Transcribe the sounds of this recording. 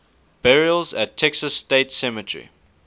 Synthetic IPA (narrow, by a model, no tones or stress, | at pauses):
b̥ɛɹiəlˠzætʰɛksəsteɪtsɛmətʰəɹḭ